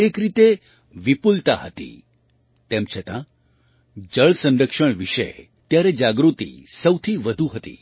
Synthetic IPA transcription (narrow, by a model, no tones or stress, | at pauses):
ekɾit̪e | ʋipult̪a̰ɦət̪ḭ | t̪emt͡ʃʰət̪ã̰ | d͡ʒəɭsə̃nɾəkʂəɳ̃ʋiʃḛ | t̪jaɾed͡ʒaɡɾut̪ḭsəwt̪ʰiʋəd̪ʱuɦət̪ḭ